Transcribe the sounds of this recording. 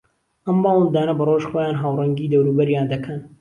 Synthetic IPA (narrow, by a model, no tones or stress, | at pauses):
ʔɐmːɑːwənd̪aːnɐbɐroʃxoːjaːnɦaːwrɐŋɡiːd̪ɐwɾuːbɐɾjaːnd̪ɐkʰɐn